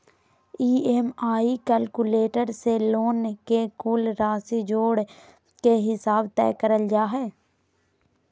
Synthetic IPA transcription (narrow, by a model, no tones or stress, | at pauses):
iːemaːikəlkuleːʈəɾseloːnkekuːlɾaːsid͡ʒoːɽ | keɦɪsaːbt̪ɛ̰ːkəɾəld͡ʒaːɦɛː